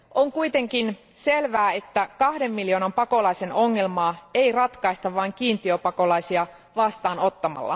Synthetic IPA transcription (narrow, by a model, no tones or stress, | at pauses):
ʔo̞ŋkuit̪e̞ŋkin | se̞lʋæːe̞t̪ːækɑhde̞mːiljo̞ːnɑmpɑko̞lɑise̞no̞ŋːe̞lmɑːe̞jrɑt̪kɑist̪ɑʋʋɑiŋk̟iːnt̪iøpɑko̞lɑjsiɑ | ʋɑst̪ɑːno̞t̪ːɑmɑ̰lːɑ̰